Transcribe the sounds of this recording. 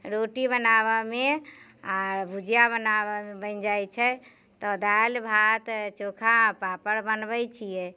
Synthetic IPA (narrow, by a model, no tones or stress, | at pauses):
ɾoʈibənaβameaɾbʱud͡ʒijabənabənd͡ʒajt͡ʃʰɛ | t̪ɔd̪ajlbʱat̪t͡ʃokʰapapəɽbənbəjt͡ʃʰijɛ